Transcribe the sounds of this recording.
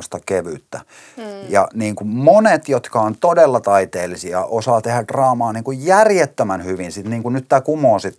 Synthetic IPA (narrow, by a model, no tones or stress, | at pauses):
st̪ɑkeʋyt̪ːæ | jɑ̰niːŋkummonet̪jot̪kɑont̪odelːɑt̪ɑit̪eːlːˑisiɑʔosɑːt̪ehædrɑːmɑːniːŋkujjærjet̪ːømænhyʋinsit̪niːŋkunnyt̪t̪æːkumoːsit̪